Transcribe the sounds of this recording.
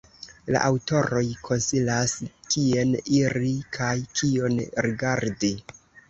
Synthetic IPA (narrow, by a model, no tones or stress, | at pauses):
la̰ʔawto̞ɾo̞jkʰo̞nsilaskie̞niɾikʰajkʰio̞nɾiɡaɾdi